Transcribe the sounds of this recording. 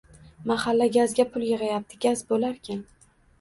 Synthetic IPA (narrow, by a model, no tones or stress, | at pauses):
mahalːaɡʲazɡʲapʰʊlˠjeʁɑjap̚t̪ʰɪɡʲazbolaɾkʲʰan